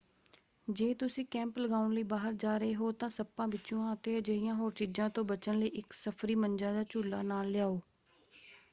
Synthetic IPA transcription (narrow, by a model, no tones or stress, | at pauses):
d͡ʒeːt̪ʊsĩːkɛ̃ːmpləɡaːʊnləiːbaːɦəɾd͡ʒaːɾəeːɦoːt̪ãːsəpːãːbɪtːt͡ʃõːãːət̪eːd͡ʒəɪjãːɦoːɾt͡ʃid͡ʒãːt̪õːbət͡ʃənləiːʔɪksəpʰɾiːmənd͡ʒãːd̪aːt͡ʃuːlːaːnaːlːɪjaːoː